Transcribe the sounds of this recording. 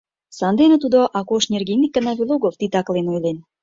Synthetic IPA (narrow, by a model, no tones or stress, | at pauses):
sɑnd̪enə̆t̪ud̪oʔɑkoʃnʲerɡʲinʲikːənɑvʲilˠoɡoft̪it̪ɑklenojlen